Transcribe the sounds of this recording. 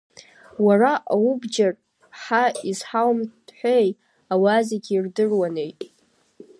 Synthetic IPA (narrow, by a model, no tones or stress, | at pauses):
waraʔawubd͡ʒar | ħaizħawmd̥ħʷej | awazaɡʲirdɨrwane̞jtʼ